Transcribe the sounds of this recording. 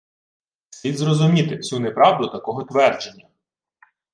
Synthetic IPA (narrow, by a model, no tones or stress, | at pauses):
sʲid̪ʲzrɔzʊmʲit̪ɪsʲunɛpɾɑwd̪ʊt̪ɐkɔɦɔt̪ʋɛrd͡ʒe̞nʲːɐ